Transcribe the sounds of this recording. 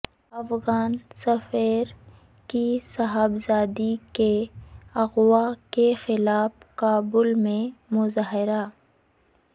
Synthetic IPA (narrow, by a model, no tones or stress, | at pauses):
ɐfɣaːnsɐfeːɾ | kisɐɦabzaːd̪ikeɐɣwakexɪlaːfkaːbʊlmẽmʊzaːɦɪɾa